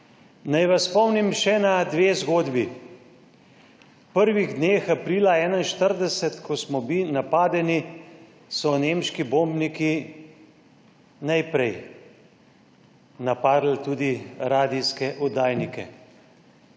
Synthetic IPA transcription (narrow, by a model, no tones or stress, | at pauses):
najʋaspɔwnimʃɛnad̪ʋeːzɡoːd̪bi | pəɾʋiɣd̪neːxapɾiːlaɛːnainʃt̪əɾd̪ɛsɛt̪kʰɔsmɔbinapaːd̪ɛni | sɔneːmʃkiboːmbniki | najpɾɛj | napaːd̪lt̪ud̪iɾaːd̪iskɛʔɔd̪aːjnikɛ̰